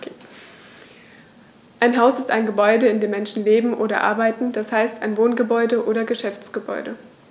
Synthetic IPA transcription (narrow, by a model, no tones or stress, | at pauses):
ʔaɪnɦaʊsɪstaɪnɡəbɔʏdəɪndeːmɛnʃn̩leːbm̩ʔoːɾɐ̰ʔa̰ɐbaɪtn̩d̥ashaɪstaɪnvoːnɡəbɔʏdəʔoːɾɐɡəʃɛft͡sɡ̥əbɔ̰ʏdə̰